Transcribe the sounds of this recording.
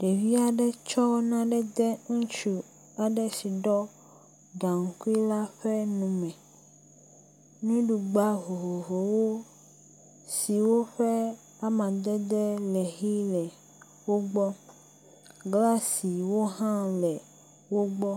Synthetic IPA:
ɖe˨vi˦a˨ɖɛ˦t͡ʃɔ˦nã˦ɖɛ˦d̪ɛ˦ŋũ˦t͡ʃu˨ | a˨ɖɛ˦si˨ɖɔ˦ | ɖa˨ŋ̩˦ku˦i˦la˦ɸɛ˦nũ˨mɛ̃˨ | nũ˦ɖu˨ɡ͡ba˦vo˨vo˨vo˨wo˦ | si˨wo˦ɸɛ˦ | a˦mã˨d̪ɛ˦d̪ɛ˦lɛ˨ɦi˦lɛ˨ | wo˦ɡ͡bɔ˦ | ɡla˦si˨wo˦ɦã˦lɛ˨ | wo˦ɡ͡bɔ˦

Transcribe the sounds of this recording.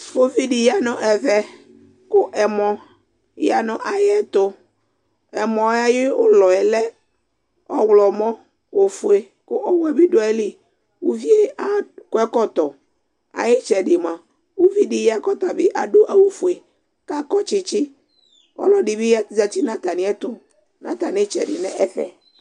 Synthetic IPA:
fo˦vi˦dɪ˨ja˦nʊ̃˨ʔɛ˨vɛ˨ | kʊ˦ʔɛ˨mɔ̃˨ | ja˨nʊ̃˨ʔa˨jɛ˦t̪ʊ˨ | ɛ˨mɔ̃˨˦a˦jɪ˦ʊ˦lɔ˨ɛ˨lɛ˦ | ɔ˦wlɔ˨mɔ̃˦ | o˨fʊ˨e˨ | kʊ˦ʔɔ˦wɛ˦bɪ˦dʊ˦ɛ˦li˦ | wo˦vi˦e˦a˦kʊ˦ɛ˦kɔ˦t̪ɔ˨ | a̰˨jɪ˦t͡ʃɛ˨ɖɪ˨m˨ã˨ | wo˦vi˦ɖɪ˨ja˦kɔ˦t̪a˨bɪ˦ʔa˨ɖo˦ʔa˨wo˨fu˨e˨ | ka˦kɔ˦t͡ʃɪ˨t͡ʃɪ˦ | ɔ̰˦lɔ˦ɖɪ˨bɪ˦ja˦za˨t̪i˦nã˦t̪a˨nɪ̃˨˦ɛ˦t̪ʊ˦ | nã̰˦t̪a˨nɪ˦t͡ʃɛ˨ɖɪ˨nɛ˦ʔɛ˦ɸɛ̰˨

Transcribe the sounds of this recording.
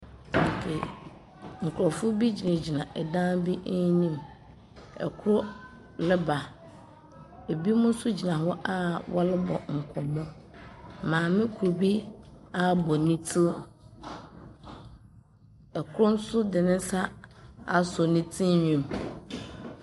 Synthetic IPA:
ŋ̩˨kʰe˨ | ŋ̩˨kʰʊ˨ɾɔ˨fʊ˦bi˦d͡ʑi˨nɪ̃˨d͡ʑi˨nã˨ʔɛ˨dã˦bi˦ʔnĩ˦m | ɛ̰˨kʰʊ˦ɾʊ˦ | lɪ˦ba˨ | e˨bi˦mʊ̃˦sʊ˦d͡ʑi˨nã˨ɦɔ˦ʔa˦wɔ̰˦lɪ˦bɔ̰˨ŋ̩˨kʰɔ˨mɔ˦ | mãː˨mɪ̃˦kʰʊ˨ɾu˨bi˦a˦bɔ˨nĩ˦tʰi˦ | ɛ˨kʰʊ˦ɾʊ˦n̩˦sʊ˦dɪ˨nɪ̃˦n̩˦sa˦a˨sɔ˨nĩ˦tʰĩ˦ɲᶣĩ˨m

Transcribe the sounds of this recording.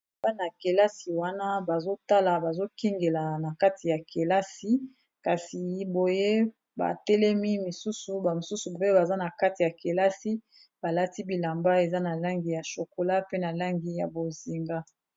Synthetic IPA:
ba˦na˨ke˨la˦si˨wa˦na˦ba˨zo˦ta˦la˨ba˨zo˦ki˦ŋɡe˨la˨na˨ka˦ti˨ja˨ke˨la˦si˦ | ka˨si˨bo˨je˦ | ba̰˨tɛ˦lɛ˦mi˦mi˨su˦su˨ba˨mo˨su˦su˨bo˨˦je˦ba˨za˦na˨ka˦ti˨ja˨ke˨la˦si˦ | b̥a˨la˦ti˦bi˨la˨mba˦e˨za˦na˨la˦ŋɡi˨ja˨ʃo˨ko˨la˦pe˦na˨la˦ŋɡi˨ja˨bo˨zi˨ŋɡa˦

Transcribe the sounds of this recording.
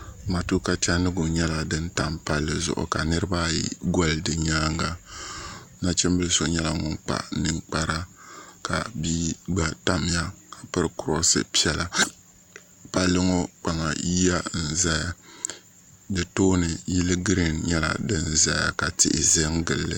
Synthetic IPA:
ma˨tu˦ka˦t͡ʃɛ˦nɨ˦ɡʊ˨ɲɛ˦la˨dɨ˦n̩˦ta˦mpa˦lːɨ˦zʊ̰˨ʔʊ̰˨ka˨nɨ˦ɾɨ˦ba˦jḭ˦ɡɔ˦ldɨ˨ɲaː˦ŋɡa˦ | na˦t͡ʃɛ˦m˦bɨ˦lso˦ɲɛ˦la˨ŋʊ˨ŋk͡pa̰˨nɨ˦ŋk͡pa˦ɾa˦ka̰˨biː˦ɡ͡ba˦ta˦m˨ja˦ka˨pɨ˦ɾɨ˦kʊ˨ɾɔ˦sɨ̰˦pi˦ɛ˦la˨ | pa˦lːɨ˦ŋɔ˦k͡pa˨ŋa˨ji˦a˦n̩˨za˦ja˨ | dɨ˨toː˦nɨ˨ji˦lɨ˦ɡɾi˨nɲɛ˦la̰˨dɨ˦n˦za˦ja̰˨ka˨tɪ̰˦˨ʔɪ̰˨ze˦ŋɡɨ˨lːɨ̰˦

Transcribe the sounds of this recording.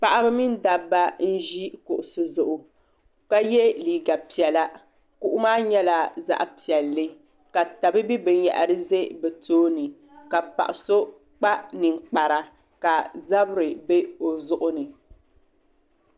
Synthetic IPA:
pa˨ʔa˦bɨ˦mi˦n˦da˨bːa˦n̩˦ʒi˦kʊ˨ʔʊ˨sɨ˨zʊ˨ʔʊ˨ | ka˦jɛ˦liː˨ɡa˨pi˨ɛ˨la˦ | ku˦ʔʊ˦maː˦ɲɛ˦la˨za̰˦ʔpi˨ɛ˨lːɨ˦ | ka˨ta˨bɨ˦bi˦bɨ˨n˦ja̰˨ʔa˨ɾɨ˦ze˦bɛ˨toː˦nɨ˨ | ka˨pa̰˨ʔɪ˨so˦ | k͡pa˦nɨ˨ŋ˨k͡pa˨ɾa˦ | ka˨za˦bɾɨ˨be˦o˨zʊ˨ʔʊ˦nɨ˨

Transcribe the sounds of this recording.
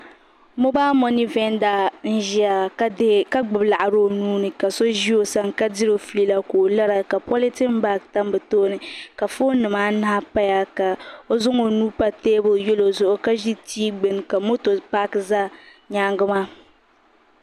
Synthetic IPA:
mo˦baː˦mɔ˦ni˦vɛ˦n˦da˦n̩˦ʒi˦a˨˦ka˦ɡ͡bʊ˨bla˨ʔa˨ɾo˦˨nuː˦nɨ˨ka˨so˦ʒi˦o˦sa˨ŋ˨ka˦di˦ɾo˦fli˦la˦koː˨la˦ɾa˨ka˨pɔ˦li˦ti˦m̩˦baː˦˨k̚ta˦m˦bɨ˨toː˦nɨ˨ka˨fo˦nɨ˨maː˦na˦a˦pa˦ja˦ka˨o˦zʊ˦ŋo˨nuː˦pa˦teː˦bʊ˦jɛ˦lo˨zʊ˦˨ʔʊ˦ka˦ʒi˦tiː˦ɡ͡bɨ˨n˨ka˨mo˦to˨pa˦kza˦ | ɲaː˦ŋɡɨ˦maː˦

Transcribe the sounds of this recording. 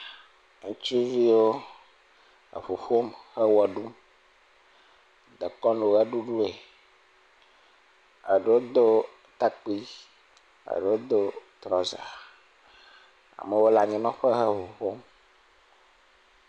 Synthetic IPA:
ŋũ˦t͡ʃi˦vi˦wo˦ | ə̰˨ɸo˨ɸo˦mhɛ˦wɛ˨ɖu˦m | d̪ə˨kɔ˦no˨ɣɛ˦ɖu˦ɖu˦e˨ | ə̰˨ɖe˨˦wo˦d̪o˦ | t̪a˦k͡pi˦ | ə̰˨ɖe˨wo˦d̪o˦t̪ɾɔ˨za̰˨ | a̰˨mɛ˨wo˦la˨ɲĩ˨nɔ̃˦ɸɛ˦ɦɛ˦ɸo˨ɸo˦m

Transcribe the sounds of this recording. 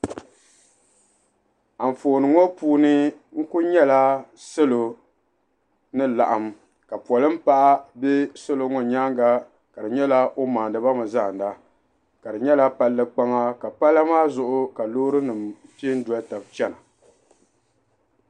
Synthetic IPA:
a˨ɱ̩˨foː˨nɨ˨ŋɔ˦puː˦nɨ˦ŋ̩˦kʊ˦ɲɛ˦la˦sɨ˦lo˨ | nɨ˦la̰˨ʔa˨m | ka˨pɔ˨lɨ˦m̩˦pa˦ʔa˦bɛ˦sɨ˦lo˨ŋɔ˨ɲaː˦ŋɡa˨ | ka˨dɨ˨ɲɛ˦la˦ʔo˦maː˨ndɨ˨ba˦mɨ˨za˦˨n˨da˦ | ka˨dɨ˨ɲɛ˦la˦pa˦lːɨ˦k͡pa˦ŋa˦ka˨pa˦lːa˦maː˦zʊ˨ʔʊ˦ka˨loː˦ɾɨ˦nɨ˨mpi˦n̩˦du˨a˦ta˨b̚t͡ʃɛ˦na˨

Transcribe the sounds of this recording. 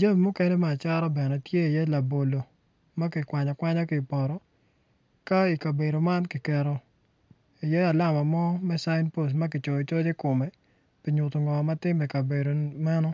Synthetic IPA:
d͡ʒa˦˨mːʊ˦ke˦nɛ˦mɛ˦a˨t͡ʃa˦ɾɔ˦bɛ˨nɛ˨tje˦i˨jɛ˦la˨bo˨lo˨ | ma˦kɪ˨kwa˨ɲɔ˨kwa˦ɲɔ˦kɪ˨pɔ˨ɾɔ˨ | ka˦i˨ka˨be˨ɾo˨ma˦nkɪ˨kɛ˨ɾɔ˨ | i˨jɛ˦a˨la˦˨ma˨mɔ˦mɛ˦sa˦ɪnpo˦s̬ma˦k̬ɪ˨t͡ʃɔ˨ɔ˨t͡ʃɔ˦d͡ʒe˦kʊ˨mɛ˨ | pi˨ɲʊ˨to˨ŋɔ˨ma˦tɪ˦mɛ˨ka˨be˨ɾo˨ma˦nɔ˦

